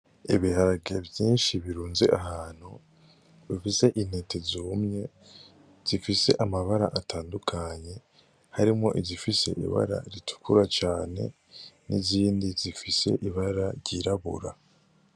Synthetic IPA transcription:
iβihaɾaɡevjiːnʃiβiɾuːnzeʔahaːn̥hu | βifise̞ʔin̥etezuːmɲe̞ | z̥ifise̞̰ʔamaβaɾa̰ʔatʰaːndukʰaɲe̞ | haɾimŋo̞ʔizifise̞̰ʔḭβa̰ɾa̰ɾitʰu̥kʰuɾat͡ʃaːne̞̰ | nʔiziːndizifise̞̰ʔiβaɾaɾɟiɾaβṵɾa̰

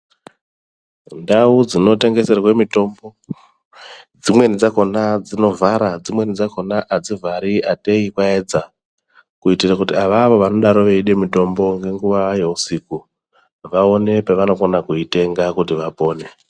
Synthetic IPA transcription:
ndaud͡zino̞te̞ŋɡe̞se̞rwe̞mito̞ːmbo̞ | d͡zimwe̞nid͡zako̞nad͡zino̞vʱaɾad͡zimwe̞nid͡zakonaʔad͡zivʱaɾiʔate̞ikwaed͡za | kuitirakutiaʋaʋo̞ʋano̞ɗaɾoʋeiɗe̞mito̞mbo̞ŋɡe̞ŋɡuʋaje̞usiku | ʋao̞ne̞peʋano̞konakuite̞ŋɡakutiʋapo̞ːne̞

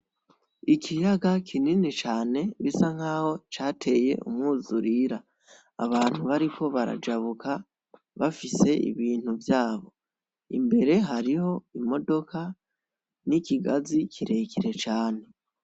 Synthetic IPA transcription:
ikʰijaɡakʰininit͡ʃaːne̞βisaŋ̥haːho̞t͡ʃaːtʰe̞je̞̰ʔṵmŋuːzuɾiɾaː | βaːn̥huβaɾikʰo̞βaɾa̰d͡ʒaβukʰa | βafise̞ḭβiːn̥huvjaːβo̞ | ḭmbe̞ɾe̞ɦaɾiho̞imo̞do̞kʰa | nikiɡazikʰiɾe̞ːkʰiɾe̞t͡ʃaːne̞

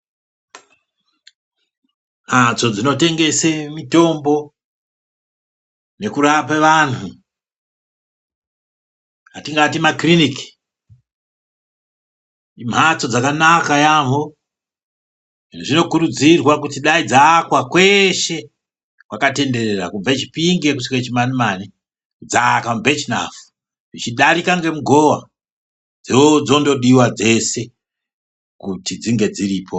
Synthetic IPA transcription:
ad͡zo̞d͡zino̞te̞ŋɡe̞semito̞mbo̞ | ne̞kuɾapaʋanu | ɦatiŋɡatimakrinik | im̤at͡so̞d͡zakanakajaɦo | inuʐino̞kuɾud͡zirwakutiɗaid͡zakwakwe̞ʃe̞ | kwakate̞nde̞re̞rakub͡vet͡ʃi̥piŋɡekusiket͡ʃimanimani | kud͡zakamubʱet͡ʃina̰fu̥ | ʐit͡ʃiɗaɾikaŋɡe̞muɡʱo̞wa | d͡zeod͡zo̞ndo̞ɗiwad͡ze̞se̞ | kutid͡ziŋɡe̞d͡ziriːpʰo

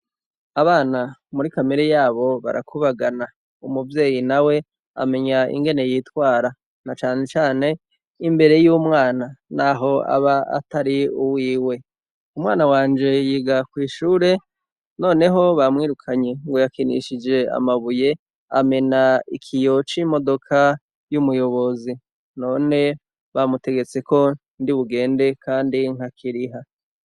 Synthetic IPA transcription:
aβaːnamuɾikameɾejaːβo̞βa̰ɾa̰kʰuβaɡana | umuvje̞ːjinawe̞ | a̰me̞ɲaḭŋɡe̞ne̞jiːtwaːɾa | nat͡ʃaːne̞t͡ʃaːne̞ | imbe̞ɾe̞juːmŋaːnanaːɦo̞a̰βaa̰taɾiuwiːwe̞ | umwaːnawaːnd͡ʒe̞jiɡakwiːʃuːɾe̞ | no̞ːne̞ɦo̞βamŋiːɾukʰaɲeŋɡo̞jakinḭʃid͡ʒe̞a̰maβuje̞ | a̰me̞naikʰijo̞t͡ʃimo̞do̞kʰa | jumujo̞βo̞zi | no̞ːne̞ | βamute̞ɡe̞t͡se̞ko̞ | ndiβuɡe̞ːnde̞kaːndiŋ̥hakʰiɾiɦa

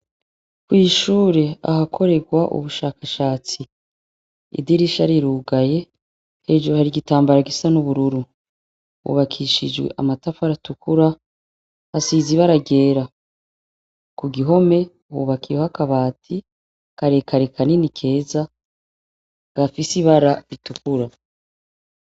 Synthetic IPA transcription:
kwiːʃuːɾe̞a̰hakʰo̞ɾe̞ɡwaʔṵβuʃaːkaʃaːt͡si | ḭdiɾiʃaɾiɾuːɡaje̞ | he̞d͡ʒoɾuhaɾiɡitaːmbaɾaɡisanuβuɾuɾu | wṵβakʰiʃid͡ʒwe̞̰ʔamatafaɾatukuɾa | hasiːziβaɾaɡe̞ːɾa | kuɡiɦo̞me̞ | hṵβakʰijohakaβaːtʰi | kaɾekaɾekʰaninikʰe̞ːza | ɡ̥afisiβaɾaitukuɾa

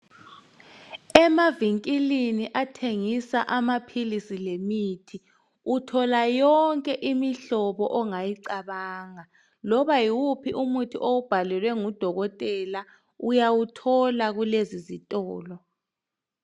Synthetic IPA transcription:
ɛmaviŋkʼiliniʔatʰeŋisaʔamapʰilisilemitʰi | utʰɔlajɔŋkʼɛʔimiɬɔβɔʔɔŋajiǀaβaːŋa | lɔβajiwupʰiʔumutʰḭʔoub̥ʱalɛlwɛŋud̥ʱɔɣɔtʼɛla | ujawutʰɔlaɣulezizitʼɔːlɔ

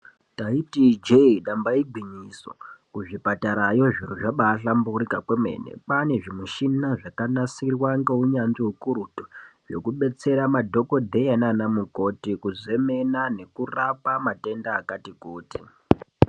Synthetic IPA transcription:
taitid͡ʒeiɗambaiɡʱwiɲiso̞̰kuʐipataɾajo̞ʐiɾuʐaɓaɬamburikakwemḛnḛpane̞ʐimuʃinaʐakanasirwaŋɡeuɲanʐiɦukuɾutoʐo̞̰kuɓe̞t͡se̞ɾamadʱo̞ko̞dʱe̞ananamuko̞tikuze̞me̞nane̞kurapamate̞ndaːkatikuːti

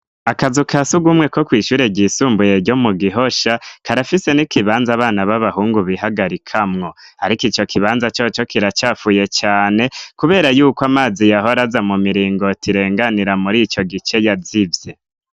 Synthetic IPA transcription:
akazukʰasuɡumŋe̞ko̞kwiːʃuːɾeɟiːsuːmbuje̞ɾɟo̞muɡiɦo̞ʃakʰaɾafise̞nikʰiβaːnzaːβaːnaβaβahuːŋɡuβiɦaɡaɾikʰamŋo̞haɾikit͡ʃo̞kʰiβaːnzat͡ʃo̞t͡ʃo̞kiɾat͡ʃaːfuːje̞t͡ʃaːne̞kuβe̞ːɾajuːkwamaːzijaɦo̞ɾazamumiɾiːŋɡo̞tiɾe̞ːŋɡaniɾamuɾit͡ʃo̞ɡit͡ʃe̞jazivje

